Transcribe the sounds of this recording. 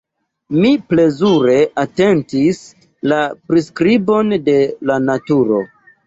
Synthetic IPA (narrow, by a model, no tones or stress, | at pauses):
miple̞zuɾe̞ʔate̞ntis | lapɾiskɾibo̞nde̞lanatuɾo̞̰